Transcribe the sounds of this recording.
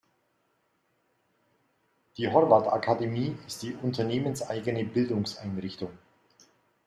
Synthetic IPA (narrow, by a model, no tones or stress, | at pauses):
d̥iːɦɔʁvata̰kʰademiːɪstd̥iːʔʊntʰɐneːmənsʔaɪɡənəbɪldʊŋsʔaɪnʁɪçtʊŋ